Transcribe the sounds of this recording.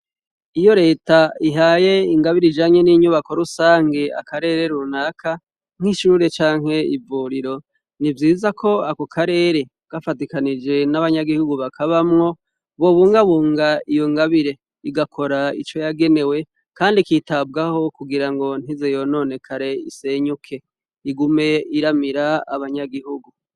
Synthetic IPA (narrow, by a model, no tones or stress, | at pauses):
ijo̞ɾe̞ːtaiɦaːje̞iŋɡaβiɾid͡ʒaːɲe̞niɲuβako̞ɾusaːŋɡe̞a̰kaɾe̞ɾe̞ɾunaːkʰa | ŋ̥hiʃuɾe̞t͡ʃaːŋ̥he̞ivuɾiɾo̞ | nivjiːzakʰo̞akokʰaɾe̞ːɾe̞ | ɡ̥afatikanid͡ʒe̞naβaɲaɡihuɡuβakʰaβamŋo̞ | βo̞βuːŋɡaβuːŋɡaijo̞ŋɡaβiɾe̞ | iɡakʰo̞ɾaḭt͡ʃo̞jaɡe̞ne̞we̞ | kaːndikitabɡaho̞kuɡiɾaŋɡo̞n̥izejo̞no̞ːne̞kʰaɾe̞ḭse̞ɲukʰe̞ | iɡume̞iɾamiɾaːβaɲaɡihuɡu